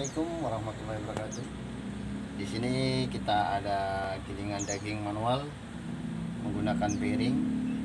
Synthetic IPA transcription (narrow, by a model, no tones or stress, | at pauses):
ikʊmwaɾahmat̪ulːaɦibəɾkat̪u | disinikit̪aːdakiliŋandaɡɪŋmanual | məŋɡunakanbeɾɪŋ